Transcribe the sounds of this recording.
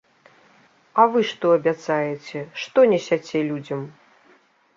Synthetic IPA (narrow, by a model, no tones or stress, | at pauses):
ɐvɨʂt̪ɔɐbʲat̪sajɛt͡sʲɛʂt̪ɔnʲɛsʲat͡sʲɛlʲud͡zʲɐm